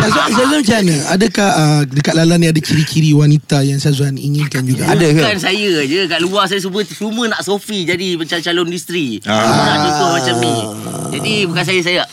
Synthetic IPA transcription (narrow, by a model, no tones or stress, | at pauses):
sazuans̬azamd͡ʒanəadəkahədəkat̪̚lalanĩadakiɾikiɾiwanit̪ajaŋsazuanḭŋinkand͡ʒuɡaʔadakansajəd͡ʒəkaʔluahs̬ajəs̬ubət͡ʃumə̃naʔsofid͡ʒadibət͡ʃat͡ʃalɔndust̪ɾiumənãt͡ʃɔt̪ʊmat͡ʃamnid͡ʒadibukans̬ajəs̬aja